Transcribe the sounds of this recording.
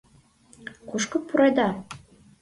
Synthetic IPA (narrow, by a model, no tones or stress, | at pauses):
kuʃkɤ̆puɾɑjd̪ɑ